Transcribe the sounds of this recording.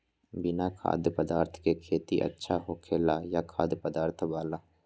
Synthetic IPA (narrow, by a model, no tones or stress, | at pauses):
bɪnakʰa̰ːd̪jəpəd̪aːɾt̪ʰkekʰeːt̪iʔə̰tːʃʰaɦokʰeːlajakʰa̰ːd̪pəd̪aːɾt̪ʰbaːlaː